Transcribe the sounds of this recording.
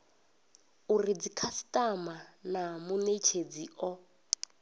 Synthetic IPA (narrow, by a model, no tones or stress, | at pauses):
urid͡zikʰasi̥tʼamanamunet͡ʃʰed͡ziʔɔ